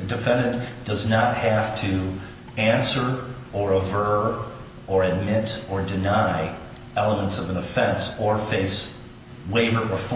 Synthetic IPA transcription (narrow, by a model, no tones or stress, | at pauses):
ɨdɨfɛ̃ndɨ̃nd̥ʌznət̚hæftʰɨ | æ̃nsə˞ | ə˞əvɜ˞ | ə˞ɨd̚mɪɾə˞dɨnaɪ | ɛlˠəmə̃ntsʌvɨ̃nɨfɛ̃nsə˞feɪs | weɪvə˞ʔə˞f